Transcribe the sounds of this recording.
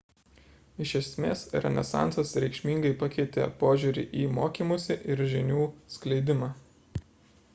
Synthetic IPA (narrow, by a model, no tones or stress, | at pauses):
ɪʃʲɛsʲmʲeːsɾʲɛ̰nʲɛ̰sɑ̰ˑnsɐsɾʲɛkʃʲmʲiːŋɡɐɪpɐkʲɛɪt̪ʲḛpoːʒʲuːɾʲɪ̰ʔiːmoːkʲiːmʊsʲɪʔɪɾʒʲɪnʲuːsklʲɛɪd̪ʲɪmɑː